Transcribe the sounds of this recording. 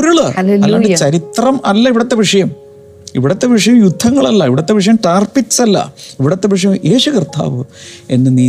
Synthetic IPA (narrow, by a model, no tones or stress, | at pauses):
ɾuɭɐleɐlːaːɨt͡ɕɐɾit̪rɐmɐlːɐiʋiɽɐt̪ːeʋiʂɐjɐm | iʋiɽɐt̪ːe̞ʋiʂɐjɐmjud̪ʱːɐŋːɐɭɐlːɐiʋiɽɐt̪ːe̞ʋiʂ̬ɐjɐmʈaːrpit͡ɕːɐlːɐ̰iʋiɽɐt̪ːeʋiʂ̬ɐjɐme̞ːɕukrt̪ʰa̰ːʋɨe̞nːɨniː